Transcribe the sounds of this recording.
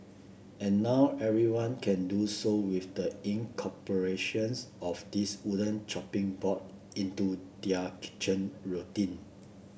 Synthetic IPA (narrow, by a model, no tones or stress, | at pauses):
ɛ̃nːaʊʔɛvɹiwãnkʰɛ̃ndusowifdəĩnkʰɔpəɹeʃə̃nsʔɔfdisudə̃nt͡ʃɔpĩŋbɔt̚ | ĩntudiakʰi̥t͡ʃə̃nɹotĩn